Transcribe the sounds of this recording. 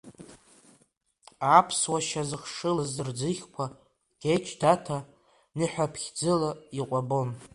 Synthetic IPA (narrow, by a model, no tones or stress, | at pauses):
apʰswaʃazɨχʂɨlazɨrd͡zɨχʲkʷʰa | ɡ̥ʲet͡ʃʰdatʰa | nɨħʷᶣapʰχʲd͡zɨlaiqʷʼabon